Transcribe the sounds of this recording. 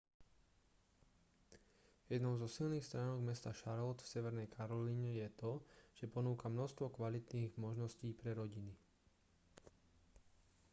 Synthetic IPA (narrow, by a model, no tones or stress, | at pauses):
jɛd̪nɔʊzɔsilniːxst̪ɾaːnɔɡmɛst̪aʃaɾlɔt̪fsɛʋɛɾnɛjkʰaɾɔliɲɛjɛt̪ɔʒ̥ɛpɔnuːkamnɔst̪ʋɔkʋalit̪niːɣmɔʒnɔsciːpɾɛɾɔɟini